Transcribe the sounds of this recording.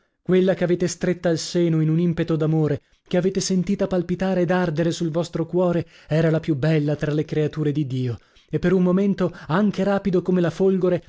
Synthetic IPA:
kwelːakeaveːt̪est̪ɾet̪ːaːlseːnoinunimpet̪od̪amoːɾe | keaveːt̪esent̪iːt̪apalpit̪aːɾeːd̪ard̪eɾesulvɔst̪ɾokwɔːɾe | ɛːɾalapjubːɛlːat̪ɾalekɾeat̪uːɾed̪id̪iːo | epːeɾunmoment̪oaŋk̟eɾaːpid̪okomelafolɡoɾe

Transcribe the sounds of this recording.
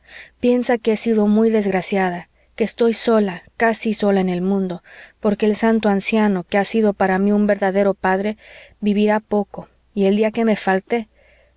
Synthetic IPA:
pje̞nsakeesiðo̞mujðe̞zɣɾasjaða | ke̞ːst̪o̞jso̞lakasiso̞laene̞lmũnd̪o̞po̞ɾke̞ːlsant̪̬oansjano̞ke̞asiðo̞paɾamiumbe̞ɾðaðe̞ɾo̞paðɾe̞βiβiɾapo̞ko̞ | ie̞ld̪iake̞me̞falt̪e̞

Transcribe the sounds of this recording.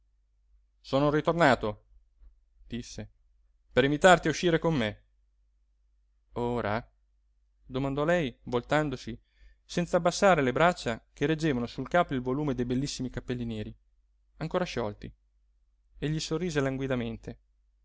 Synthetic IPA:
soːnorit̪ornaːt̪o | d̪̥isːe | peɾimit̪art̪iauʃːiːɾekomːe | oːɾa̰ | d̪omand̪ɔlɛjvolt̪and̪osi | sɛnt̪saːbːasːaːɾelebɾat͡ʃːakeɾed͡ʒːeːvanosulkaːpoilvoluːmed̪ejbelːisːimikapːelːinjɛːɾi | aŋkoːɾaʃɔlt̪i | eʎːisorːiːzelaŋɡwid̪ament̪e

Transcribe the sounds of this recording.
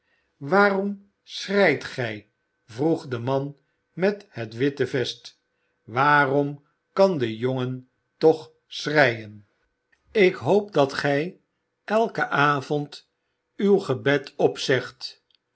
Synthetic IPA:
ʋaːrɔm | srɛjtχɛj | vruχdəmɑn | mɛthətʋɪtəvɛst | ʋaːrɔm | kɑndəjoŋən | tɔχ | srɛjən | ɪkɦowp̚dɑtχɛj | ʔɛlˠkəʔaːvɔnt | ywχəbɛtɔpsɛχt

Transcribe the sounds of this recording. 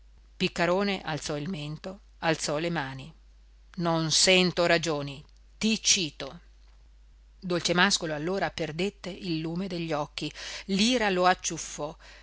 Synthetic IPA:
pikːaɾoːneʔalt̪sɔilment̪o | alt̪sɔlemaːni | nonsɛnt̪oɾad͡ʒoːni | t̪it͡ʃiːt̪o | d̪olt͡ʃemaskoloalːoːɾaperd̪et̪ːeʔilːuːmed̪eʎːɔkːiliːɾaloat͡ʃːufːɔ

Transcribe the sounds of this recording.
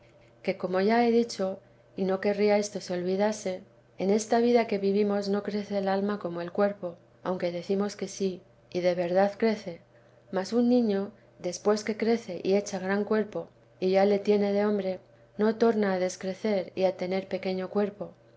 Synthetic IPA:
ke̞ko̞mo̞ʝae̞ðit͡ʃo̞ | ino̞ke̞riae̞st̪o̞seo̞lβiðase̞ | ene̞st̪aβiðake̞βiβimo̞zno̞kɾe̞θe̞ːlalmako̞mo̞e̞lkwe̞ɾpo̞ | awŋke̞ðe̞θimo̞ske̞si | iðe̞βe̞ɾðaðkɾe̞θe̞ | masunːĩɲo̞ | ðe̞spwe̞ske̞kɾe̞θe̞ʔie̞t͡ʃaɣɾaŋkwe̞ɾpo̞ | iʝale̞t̪je̞ne̞ð̞e̞o̞mbɾe̞ | no̞t̪o̞ɾnaːðe̞skɾe̞θe̞ɾḭat̪e̞ne̞ɾpe̞ke̞ɲo̞kwe̞ɾpo̞

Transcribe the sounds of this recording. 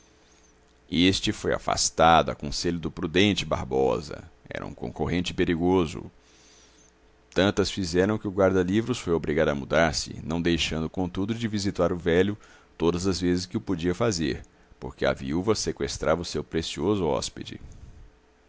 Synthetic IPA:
est͡ʃɪfoja̰fa̰st̪ad̪ʊɐ̰kõseʎʊd̪ʊpɾud̪ẽnt͡ʃɪba̰ɾbɔzɐ̰ɛ̰ɾɐ̰ṵ̃kõ̰koɦẽnt͡ʃɪpeɾiɡozʊ̰ | t̪ɐ̃nt̪ɐsfizɛɾɐ̃w̃kɪʊɡwaɾd̪ɐlivɾʊsfojobɾiɡad̪ɐmud̪aɾsɪ̰nɐ̃w̃d̪ejʃɐ̃nd̪ʊkõnt̪ud̪ʊd͡ʒɪvizit̪aɾʊvɛlʊ | t̪od̪ɐzɐzvezɪskɪʊpod͡ʒiɐfazeɾ | poɾkɪɐ̰vḭuvɐsekwest̪ɾʔavɐʊsewpɾesiozʊɔ̰sped͡ʒɪ̰

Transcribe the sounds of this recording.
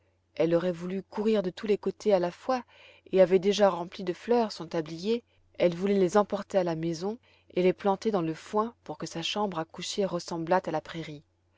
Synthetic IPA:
ɛlɔʁɛvulykuʁiʁd̪ət̪ulekot̪ʰealafwa | eavɛd̪eʒaʁɑ̃plid̪əflœːʁsɔ̃t̪ablije | ɛlvulɛlezɑ̃pɔʁt̪ealamezɔ̃ | elɛplɑ̃t̪ed̪ɑ̃ləfwɛ̃puʁkəsaʃɑ̃bʁakuʃeʁəsɑ̃blat̪alapχeʁi

